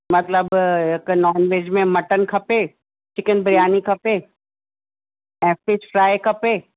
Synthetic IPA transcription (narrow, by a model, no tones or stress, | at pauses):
mɐt̪ləbɦɪknɔːnʋeːd͡ʒmẽmɐʈənkʰɐpeː | t͡ʃɪkənbɾjaːnikʰɐpeː | ɛ̃ːfʈɪsfʰɾaːekʰɐpeː